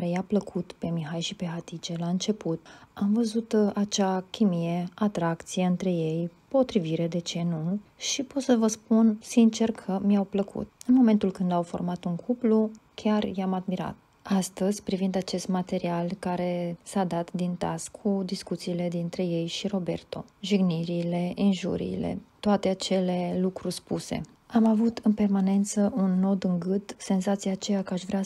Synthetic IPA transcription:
ɾejapləkʰut̪pe̞miɦajʃipe̞ɦat̪it͡ʃe̞laɨnt͡ʃe̞put̪amvəzut̪at͡ʃakʲimije̞at̪ɾakt̪sijeɨnt̪ɾe̞je̞jpo̞t̪ɾiviɾe̞d̪e̞t͡ʃe̞nuʃipot̪səvəspunsint͡ʃe̞rkʰəmiawpləkʰṵt̪ɨnmo̞me̞nt̪ulkɨnd̪awfo̞̰rmat̪uŋkʰuplukʲʰarjamad̪miɾa̰t̪̚ | ast̪əzʲpɾivind̪at͡ʃe̞st̪mat̪e̞ɾialkaɾe̞sad̪at̪d̪int̪a̰skʰːud̪iskut̪siːle̞d̪int̪ɾe̞je̞jʃiɾo̞be̞̰rt̪o̞̰ʒiɡniɾiːle̞ʔinʒṵɾḭːle̞̰t̪oat̪e̞at͡ʃe̞le̞lukɾurʲspuse̞̰ | amavut̪ɨnpe̞rmane̞nt̪səʔunːo̞d̪ɨŋɡɨd̪se̞nzat̪sijaːt͡ʃejakəaʃvɾea

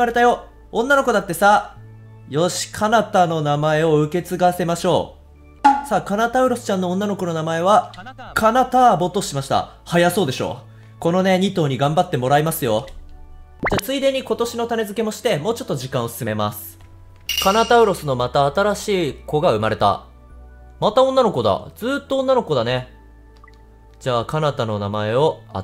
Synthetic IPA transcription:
aɾe̞t̪ajo̞ | õnːano̞ko̞d̪at̪ːe̞sa | jo̞ɕi̥kʰanat̪ano̞namae̞o̞ɯ̟ke̞t͡sɨɡase̞maɕo̞̰ː | saːkanat̪aɯ̟ɾo̞sɨ̥t͡ɕãnːõ̞ːnːano̞ko̞no̞namae̞βakʰanat̪abo̞t̪o̞ɕimaɕi̥t̪a̰ | hajaso̞ːd̪e̞ɕo̞̰ː | ko̞no̞ne̞ɲ̟it̪o̞ːɲ̟iɡãmbat̪ːe̞mo̞ɾaimasɨjo̞̰ | d͡ʑaːt͡sɨid̪e̞ɲ̟iko̞t̪o̞ɕino̞t̪ane̞zɨke̞mo̞ɕi̥t̪e̞mo̞ːt͡ɕo̞t̪ːoʑikãɰ̃o̞sɨ̥sɨme̞masɨ̥ | kanat̪aɯ̟ɾo̞sɨno̞mat̪aːt̪aɾaɕiːko̞ɡaɯ̟maɾe̞t̪a̰ | mat̪aonːano̞ko̞d̪a̰d͡zɨːt̪ːõ̞ːnːano̞ko̞d̪ane̞ | d͡ʑaːkanat̪ano̞namae̞o̞a̰

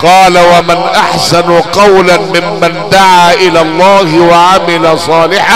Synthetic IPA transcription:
qɑːlawamanʔaħsanqɑwlamɪmːand̪aʕaːʔɪlaːlˤːɑːhɪwaʕamɪlasˤɑːlɪħa

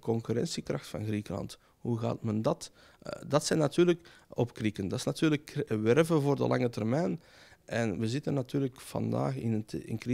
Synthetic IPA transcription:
kɔŋkyɾɛ̰nsikrɑxtfɑ̰nɣrikəlɑ̰nt | huɣa̰ːtməndɑt | dɑtsɛnɑtyːrlək | ɔpkrikəndɑtɪsnɑtyːrləkʋɛrvəvoːrdə̰lʔɑŋətɛrmɛjn | ʔɛnʋəzɪtənːɑtyːrləkfɑ̰nda̰ːxɪnətɪ̰nkri

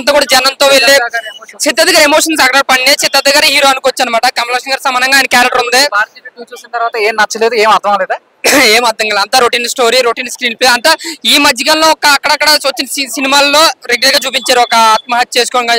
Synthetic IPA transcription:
nt̪aːkuːɽad͡ʒɛnɐnt̪oːʋeɭːet͡ʃid̪ːɐd̪ɐɡaːɾemoːʂɐns̬ɐkɐaːɾpɐɳːet͡ʃʰit̪ːɐd̪ɐɡaːɾɦiːɾoːɐnukɔːʋɐt͡ʃːaːnɐmaːʈɐkɐmlɐkʂɐnɡaːɾsɐmaːnɐŋɡaːjnɐkaːɾɐʈɐɾund̪eːbaːɾt̪ieʈuːt͡ʃuːsinɐt̪ɐɾʋaːt̪ɐeːmnɐt͡ʃːɐleːd̪ueːmɐd̪ʱɐ̃ŋleːd̪a | eːmɐd̪ʱɐŋɡaːled̪ɐnt̪aːɾoʈiːnsʈo̞ːɾiɾoʈiːnskɾiːnpesɐnt̪aːiːmɐd͡ʒiɡanloːɔkɐːkːɐɽɐkːɐɽɐt͡ʃɐt͡ʃːinɐsisinimaːlːo̞ːɾeɡulɐɾɡaːt͡ʃuːp̬iɲt͡ʃaːɾuɔkɐaːt̪̚mɐɦɐt̪̚ːt͡ʃe̞ːsu̥kɔːɽɐnɡa

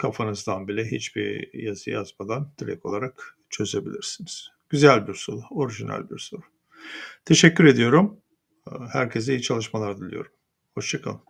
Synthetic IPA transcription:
kʰafanɯzd̪anbilʲɛɦit͡ʃbiɾjazɯ̰ja̰zmad̪and̪ʰiɾɛ̰ko̞lˠaɾak | t͡ʃʰø̞ze̞bilʲiɾsiniz̥ | ɟ̥yzælʲbiɾsoɾuo̞ɾiʒinæ̰lʲbḭɾsoɾu̥ | t̪ʰe̞ʃɛcʰːyɾe̞d̪ijo̞ɾum | hæ̰ɾcʰez̬ijit͡ʃʰalˠɯʃmalˠaɾd̪ilʲijo̞̰ɾum | ho̞ʃt͡ʃʰakʰalˠɯm

